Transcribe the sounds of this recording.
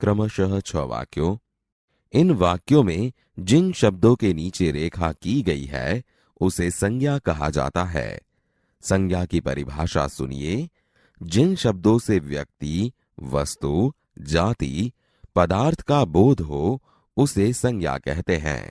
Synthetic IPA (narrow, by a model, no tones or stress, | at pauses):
kɾəməʃəɦt͡ʃʰɔʋa̰ːkjõː | ɪnʋaːkjõmẽ | d͡ʒɪnʃɐb̚d̪õkeniːt͡ʃeɾeːkʰakiɡɐḭɦɛ̰ | ʊsesɐ̃ŋɡjakɐɦad͡ʒa̰ːt̪aɦɛ̰ː | sɐ̃ŋɡʰʱjakipɐ̰ɾɪbʱaːʃa̰sʊ̰nḭe | d͡ʒɪnʃɐb̚d̪õseʋjɐk̚t̪i | ʋɐst̪u | d͡ʒaːt̪ḭ | pɐd̪aːɾt̪ʰə̥kaboːd̪ʱɦo | ʊsesɐ̃ŋɡʰʱja̰kɛ̰ɦt̪eɦɛ̰̃ː